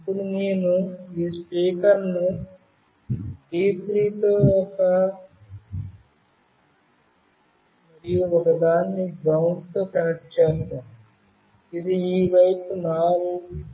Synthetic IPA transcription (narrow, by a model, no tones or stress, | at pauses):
ɐpːuɽuneːnuiːspiːkɐɾnu | ɖiːpɾiːt̪oːɔkɐ | d̪ijuʋɐkɐd̪aːnːiɡɾɐwɳɖt̪o̞ːkɐɐʈt͡ʃeːst̪aːm | id̪iiːʋɐjpunaːlu